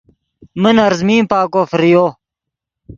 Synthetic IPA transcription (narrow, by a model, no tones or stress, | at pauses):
mənɐɾzmiːmpaːkoːfɾijoː